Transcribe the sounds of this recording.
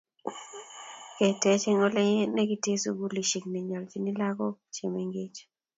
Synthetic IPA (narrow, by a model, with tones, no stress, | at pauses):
kɛ˨tɛ˨˦t͡ʃe˦ŋɔ˦lɛ˦ɲe˦ne˦ɡi˦te˦su˨ɡu˦li˨ʃi˨kni˨ɲɔ˨lt͡ʃi˨˦ni˦la˦ɡɔ˦t͡ʃe˨me˦ŋɡe˦t͡ʃ